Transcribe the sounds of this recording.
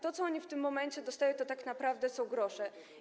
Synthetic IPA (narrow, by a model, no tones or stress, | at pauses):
t̪ɔt̪sɔɔɲift̪ɘmːɔmɛnt͡ɕɛd̪ɔst̪ajɔ̃w̃t̪ɔt̪aknapɾavd̪ɛsɔ̃w̃ɡɾɔʂɛ